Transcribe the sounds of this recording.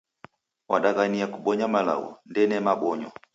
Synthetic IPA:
waɗaɣaniakuɓɔɲamala̰wɔ̰ndɛnɛmaɓɔɲɔ

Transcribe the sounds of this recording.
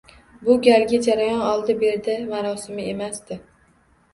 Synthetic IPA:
bʊɡʲalɡʲad͡ʒaɾajɒnɒlˠd̪ɪbe̞ɾd̪ɪmaɾɒsɪmɪemasd̪ɪ

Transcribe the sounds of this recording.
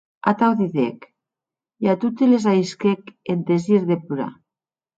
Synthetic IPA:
a̰t̪awðiðḛk | jat̪ut̪elezaiskekend̪eziɾðepuɾa̰

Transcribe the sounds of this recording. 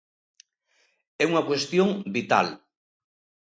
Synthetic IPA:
ɛuŋakwest̪joŋbit̪a̰l

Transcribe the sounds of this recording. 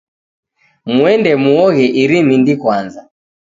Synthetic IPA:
muɛndɛmuɔɣɛʔiɾimindikwanza

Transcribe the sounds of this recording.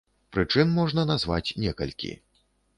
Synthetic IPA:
pɾɨt͡ʂɨnmɔʐnɐnazva̰t͡sʲnʲɛkɐ̰lʲkʲḭ

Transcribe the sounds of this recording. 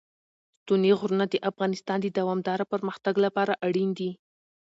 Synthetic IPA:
t̪uneɣɾunad̪əʔafɣɑnɪst̪ɑnd̪əd̪awɑmd̪ɑɾapəɾməxt̪aɡlapɑɾaʔaɽind̪i

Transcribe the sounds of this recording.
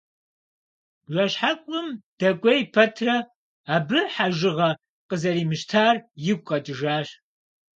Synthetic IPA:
ʒɐɕħakʷʼʊmd̥ɐkʷʼɐjpʰɐtʰrɐ | aːbɨħaʒɪʁɐ | qʼəzɐɾiːmɨɕtʰaːrjɪɡʷʼqʼɐtʼɨʒaːɕ

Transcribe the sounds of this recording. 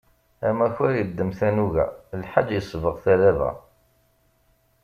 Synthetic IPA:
æmæçæɾjəd̪ːəmθænuʝæ̰lħad͡ʒjəsˤvəʁθælævæ̰

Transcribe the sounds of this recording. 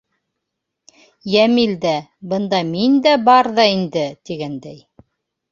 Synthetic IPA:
jæmild̪æbɤ̆nd̪ɑmind̪æbɑɾðɑind̪ɘt̪iɡænd̪æj

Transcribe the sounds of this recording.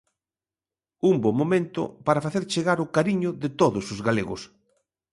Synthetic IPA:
umbomːomẽnt̪ʊ̰paɾafaθeɾt͡ʃeɣaɾʊkaɾiɲʊðɪt̪oðʊsʊzɣaleɣʊ̰s

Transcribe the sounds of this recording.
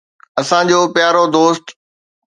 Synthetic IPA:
ɐsãd͡ʑoːpɪjaːɾod̪oːst̪

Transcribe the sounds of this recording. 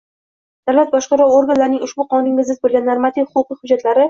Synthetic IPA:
d̪̥awlat̪̚bɒʃqɑɾɒwoɾɡanlaɾnɪŋʲʊʃbʊqʰɒnnɪŋʲɪzɪzbolˠɡʲanːaɾmat̪ʰifhʊʊqɨhʊd͡ʒːat̪ʰlaɾɪ

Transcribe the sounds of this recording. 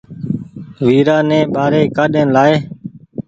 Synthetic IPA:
ʋiːɾaːnɛ̃ːɓaːɾeːkaːɗẽːlaːeː

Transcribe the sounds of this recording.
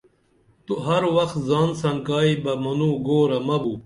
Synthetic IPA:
t̪uɦɐɾwɐxt̪zaːnsɐnkaːibɐmɐnuːɡoːɾɐmɐbu

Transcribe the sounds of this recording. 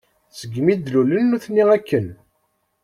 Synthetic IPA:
səɡːmid̪lulənːuθnːiʁækːən

